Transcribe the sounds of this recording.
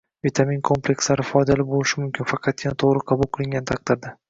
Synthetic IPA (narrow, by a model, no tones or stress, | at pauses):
vit̪ʰaminkʰomplʲekʲslaɾɪfɒjd̪alɪbolɪʃɪmʊmkʲɪnfɑqʰɑt̪̚janat̪ʰoʁɾɪqʰɑbʊlˠqʰɨlˠɪŋɡʲanɪt̪ʰɑq̚d̪̥ɪɾd̪ɪ